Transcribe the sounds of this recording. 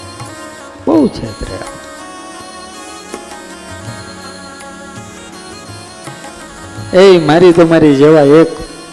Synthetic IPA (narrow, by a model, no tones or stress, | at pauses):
ɓɔut͡ʃʰet̪ɾḛɽa̰ | eimaɾik̪omaɾid͡ʒeʋaek